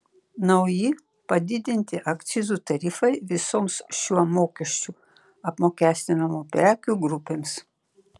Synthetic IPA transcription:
nɐʊjɪ | pɐd̪ʲɪd̪ʲɪnʲt̪ʲɪʔɐkt̪sʲɪzut̪ɐɾʲɪfɐɪʋʲɪsoːmsʃʲuɔmoːkʲɛʃʲt͡ʃʲu | ɐpmoːkʲæːsʲt̪ʲɪnɐmupʲɾʲæːkʲuːˑɡɾʊpʲeːms

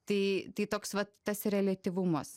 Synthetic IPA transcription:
t̪ɐɪt̪ɐɪt̪oːksʋɐtt̪ɐsrʲɛlʲɐt̪ʲiʋʊmɐs

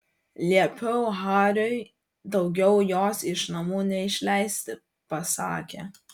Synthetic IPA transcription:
lʲiɛpʲɛʊɦɑːɾʲoɪ | d̪ɒʊɡʲɛʊjoːsɪʃnɐmuːnʲɛɪʃʲlʲɛɪsʲt̪ʲɪ | pɐsɑ̰ːkʲe

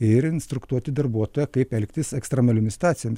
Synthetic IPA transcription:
ɪɾɪnst̪ɾʊkt̪uɔt̪ʲɪd̪ɐɾbuɔt̪oːjɛkɐɪpɛlʲkt̪ʲɪsɛkst̪ɾʲɐmɐlʲɪmʲɪst̪ɑːt̪sʲɪjmɪs

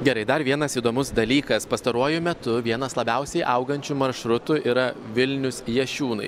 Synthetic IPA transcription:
ɡʲɛɾɐɪd̪ɐɾʋʲiɛnɐsiːd̪oːmʊsd̪ɐlʲiːkɐspɐst̪ɐɾuɔjʊmʲɛt̪ʊʋʲiɛnɐslˠɐbʲɛˑʊsʲɛɪʔɐʊɡɐnʲt͡ʃʲʊmɐɾʃɾʊt̪ʊʔiːɾɐʋʲɪlʲnʲʊsjɛʃʲuːnɐɪ

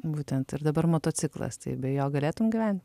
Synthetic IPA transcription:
buːt̪ʲɛnt̪ɪɾd̪ɐbɐɾmoːt̪oːt͡s̪ʲɪklˠɐ̰st̪ɐ̰ɪbʲɛjoːɡɐlʲeːt̪ʊmɡʲɪʋʲæˑnʲt̪ʲ

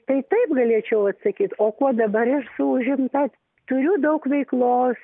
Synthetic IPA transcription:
t̪ɐɪt̪ɐɪpɡɐlʲeɛt͡ʃʲɛʊɐt̪sɐkʲiːt̪oːkuɔd̪ɐbɐɾɪʃsʊʊʒʲɪmt̪ɐt̪ʲ | t̪ʊɾʲʊd̪ɐʊkʋʲɛɪklˠoːs

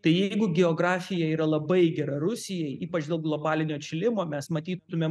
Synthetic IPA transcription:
t̪ɐɪjɛɪɡʊɡʲɛoːɡɾɑːfʲɪjɛiːɾɐlˠɐbɐɪɡʲɛɾɐɾʊsʲɪjɛɪʔiːpɐt͡ʃd̪ʲeːlˠɡlˠoːbɑːlʲɪnʲoːt͡ʃʲɪlʲɪmoːmʲɛsmɐt̪ʲiːʊmʲeːm

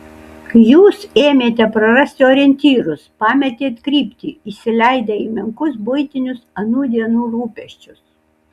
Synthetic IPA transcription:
kjuːseːmʲeːt̪ʲɛpɾɐɾɐsʲt̪ʲɪoːɾʲɛnʲt̪ʲiːɾʊspɑːmʲɛt̪ʲeːt̪kɾʲiːpʲt̪ʲiːisʲɪlʲæɪd̪ɐiːmʲɪŋkʊsbʊɪt̪ʲɪnʲʊsɐnuːd̪ʲiɛnuːɾuːpʲɛʃʲt͡ʃʲʊs

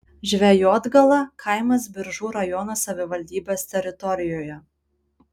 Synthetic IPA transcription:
ʒʲʋʲɛjoːd̪ɡɐlˠɐkʰɐˑɪmɐs̬bʲɪɾʒuːɾɐjɔnɐsɐʋʲɪʋɐlʲd̪ʲiːbʲeːst̪ʲɛɾʲɪt̪ɔɾʲɪjoːjɛ

